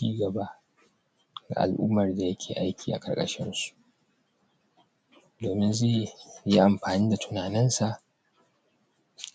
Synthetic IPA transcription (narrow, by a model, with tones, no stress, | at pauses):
iː˦ɡɐ˨ba˦ʔ | ɡa̰˨ʔa̰˨lʔṵː˦mːɐ˨rda˨jɐ˦kʲʰeː˨ʔa˦jkʲʰiː˨ʔa̰˨kʼɐ̰˨rkʼɐ̰˦ʃɪ˦nsu̥˨ʔ | doː˨mɪ˦nzeː˦˨ji˦ʔa˨mɸaː˨niː˦da˨tʰʊ˦naː˨nɪ˦nsa˨ʔ